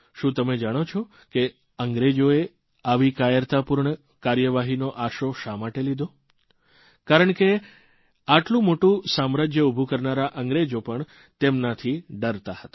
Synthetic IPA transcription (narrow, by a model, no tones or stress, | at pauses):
ʃũt̪əmed͡ʒaɽ̃ot͡ʃʰɔ | ke | əŋɡɾed͡ʒoe | aʋikajəɾt̪apuɾɳə | kaɾjəʋaɦinoʔaʃoʃamaʈelid̪ʱo | kaɾəɳke | aʈlũmoʈũsamɾəd͡ʒjəubʱukəɾnaɾaʔəŋɡɾed͡ʒopəɳ | t̪emnat̪ʰiɖəɾt̪ahət̪ḁ